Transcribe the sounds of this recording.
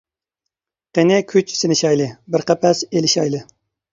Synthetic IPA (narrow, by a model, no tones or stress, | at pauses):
qenɪkʲʰyt͡ʃsɪnɪʃɑjlˠɨbɪɾqæpʰɛselɪʃɑjlˠɨ